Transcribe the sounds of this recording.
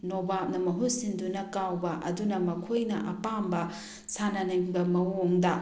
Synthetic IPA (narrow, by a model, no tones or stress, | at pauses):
nobap̚nɐmɐɦusindunɐkawbɐʔɐ̰dunɐmɐkʰojnɐ̰ʔɐpambɐ | sanɐnɐŋbɐmɐoŋdɐ